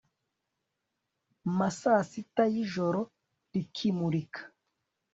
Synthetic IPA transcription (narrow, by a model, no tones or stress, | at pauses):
masaːsitajiʒoɾo | ɾikʰimuɾikʰḁ